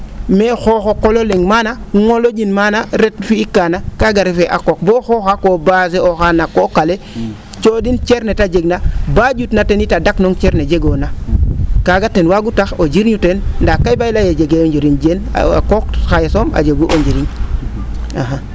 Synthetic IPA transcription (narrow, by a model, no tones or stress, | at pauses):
mexoxokololeŋmanaŋolod͡ʒinmanaɾetfiikːanakaɡaɾifeʔakok̚boxoxakobas̬eoxanakokale | t͡ʃodint͡ʃeɾnetad͡ʒeɡnabad͡ʒutnatenitadaknoŋt͡ʃeɾned͡ʒeɡonakaɡatːenwaɡutaxod͡ʒiɾɲutendakːajbailajed͡ʒeɡeond͡ʒiɾind͡ʒen̰a̰kokxajesoma̰d͡ʒeɡuʔoɲd͡ʒiɾiɲ | a̰ɦa